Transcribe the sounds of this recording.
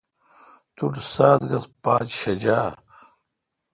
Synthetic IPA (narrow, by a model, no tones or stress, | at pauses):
t̪uʈ͡ʂsaːt̪ɡɐspaːt͡ɕɕɐd͡ʑaː